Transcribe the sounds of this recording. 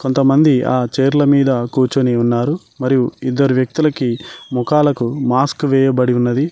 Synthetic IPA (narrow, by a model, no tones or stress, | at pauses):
ko̞nt̪ɐmɐnd̪iaːt͡ʃeːɾulɐmiːd̪ɐkuːɾt͡ʃuniunːaːɾu | mɐɾijuid̪ːɐɾuʋjɐk̚t̪ulɐkimukaːlɐkumaːskʋɛːjɐbɐɽiunːɐd̪i